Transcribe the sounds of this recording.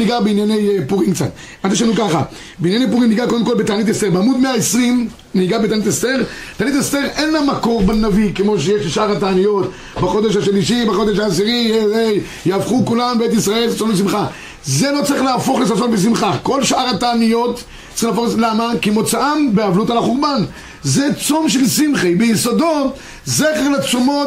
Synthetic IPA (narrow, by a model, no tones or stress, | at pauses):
niɡabeinjanejpuʁiŋkt͡sa̰n | ʔant̪eʃanukaχa̰ | beinjanejp̬uʁimniɡakod̪emko̞lbetanit̪estebeamud̪meaesʁim | niɡabetanitest̪e̞ʁt̪aːnit̪est̪e̞ʁʔenlamako̞ʁbanavikemo̞ʃ̬ejeʃleʃʔaʁataːnijo̞t̪ | baχo̞d̪eʃhaʃliʃibaχo̞d̪eʃaːs̬iʁijee | jaavχukulambet̪isʁae̞lssonbes̬imχa | zelo̞t͡saʁiχlaːfo̞χlesasonbes̬imχako̞lʃʔaʁataːnijo̞t̪ | ilafoχlamakemo̞t͡saʔambeavlutalaχuʁban | zet͡so̞mʃelsimχejbejisodo̞ | zeχeʁlat͡somo̞